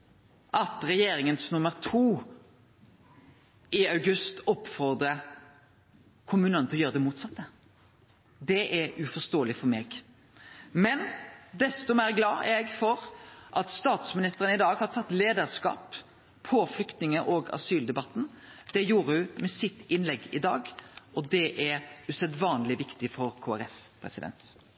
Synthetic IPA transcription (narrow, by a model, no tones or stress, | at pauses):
ʔɑt̪ɾɛjeːɾɪŋənsnʉmːəɾt̪ʰuː | ɪɑʉɡʉst̪ɔpːfɔɾd̪ɾə | kʰʊmʉːnənt̪ʰɪlɔjøːɾəd̪ɛmuːt̪sɑt̪ːə | d̪ɛʔɛʉfɔst̪oːəlɪfɔɾmeːɡ | mɛnd̪ɛst̪ɔmæːɾɡlɑ̰ːɛɡfɔɾʔɑt̪st̪ɑːt̪smɪnɪst̪əɾənɪd̪ɑːɡhɑɾt̪ʰɑt̪ːleːd̪əɾskɑ̰ːpʰ | oːflʏkt̪nɪŋəʔoːɡɑ̰syːld̪ɛbɑt̪ːn̩d̪̥ɛjuːɾəhʉmɛsɪt̪ːɪnlɛɡːɪd̪ɑːɡɔd̪ɛʔɛɾʉsɛd̪ʋɑːnlɪʋɪkt̪ɪfɔɾkʰoːæɾɛfpʰɾɛ̰sɪd̪ɛ̰nt̪